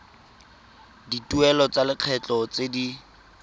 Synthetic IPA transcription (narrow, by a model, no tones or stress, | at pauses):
dituɛlɔt͡salɪq͡χʰɛt͡ɬɔt͡sedi